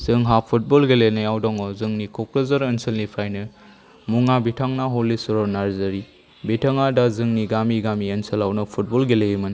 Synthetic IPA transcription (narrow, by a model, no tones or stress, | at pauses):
zɯŋɦapʰut̚bolɡelenɐjawdɔŋɔzɯŋnikʰokɾɐzɐɾɐnsʰɐlnipʰɾajnɯ | muŋabitʰaŋnaɦolːisuɾɔnaɾzɐɾi | bitʰɐŋadazɯŋniɡamiɡamiɐnsʰɐlawnɐpʰut̚bolɡelejimɐn